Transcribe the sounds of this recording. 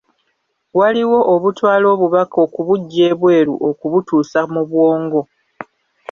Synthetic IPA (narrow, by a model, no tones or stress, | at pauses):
waliwo̞ʔoβutwaːlo̞ːβuβakʰo̞ːkuβuɟːe̞ːβwe̞ːɾṵʔo̞kuβutuːsamuβwo̞ːŋɡo̞